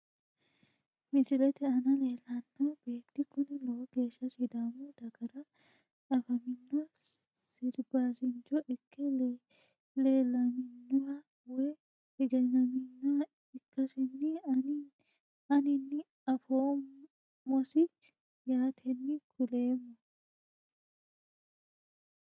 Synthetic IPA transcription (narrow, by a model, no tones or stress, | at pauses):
mɪsɪlɛt̪ɛɐnɐle̞ːlɐnːɐbe̞ːt̪ːɪkʊnloːke̞ːʃɐsɪd̪amud̪̥ɐɡɐɾɐ | ɐfɐmɪnːa | sɪɾbaːsɪnd͡ʒɔʔɪkːɛ | le̞ːlɐmɪnːʊɐ | wɛ | ɪɡɐnːɐmɪnːa | ɪkːɐsɪnːɪ | ɐnɪnːɪ | ɐfoːm | mɔsɪ | jaːt̪ʰɛnːɪkʊleːmːɐ